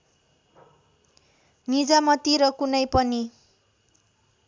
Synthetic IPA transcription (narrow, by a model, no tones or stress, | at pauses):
nid͡zamʌt̪iɾʌkunʌjpʌni